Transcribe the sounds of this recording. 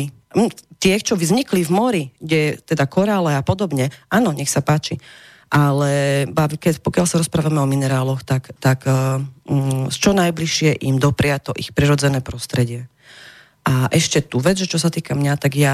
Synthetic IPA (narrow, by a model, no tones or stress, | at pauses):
t̪ɪɛxt͡ʃɔʋzɲiklivmɔɾiɡɟɛt̪ɛd̪akɔɾalɛapɔd̪ɔbɲɛʔaːnɔɲɛxsapaːt͡ʃi | ʔalɛbakɛcpɔkɪalsaɾɔspɾaːʋamɛɔminɛɾaːlɔxt̪akt̪ak̩ | st͡ʃɔnajbliʃɪɛʔimd̪ɔpɾɪat̪ɔʔixpɾiɾɔd͡zɛnɛːpɾɔst̪ɾɛɟɪɛ | ʔaʔɛʃcɛt̪uʋɛd͡zʒɛt͡ʃɔs̬at̪iːkamɲat̪aɡja